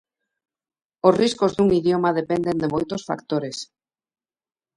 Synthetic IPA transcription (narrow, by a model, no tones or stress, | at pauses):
osriskozðuŋiðjomaðepend̪end̪emojt̪osfa̰kt̪oɾes